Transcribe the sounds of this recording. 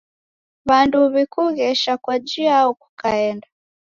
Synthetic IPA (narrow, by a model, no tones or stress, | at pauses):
βanduβikuɣɛʃakwad͡ʒiaɔku̥kaɛnda